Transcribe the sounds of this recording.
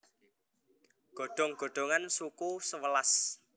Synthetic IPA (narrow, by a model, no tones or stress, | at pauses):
ɡ̥o̤ɖ̪̥ɔ̤ŋɡ̥o̤ɖ̪̥o̤ŋansukusəwəlas